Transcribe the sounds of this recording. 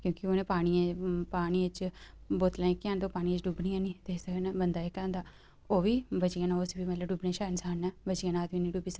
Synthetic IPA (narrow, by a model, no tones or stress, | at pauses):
kjõːkɪoːnẽːpaːɽ̃ijãpaːɽ̃iɪt͡ʃboːt̪lãːĩkɪãːnd̪oːpaːɽĩt͡ʃɖuːbniːãːniːd̪eːsəknɛːbənd̪aːeːkəãːnd̪aː | oːʋiːbət͡ʃijãːnãosbiːmət̪ləbɖuːbnẽːʃaːnsaːnɛːbət͡ʃijãːnaːt̪ʋiːnĩːɖuːbiːsək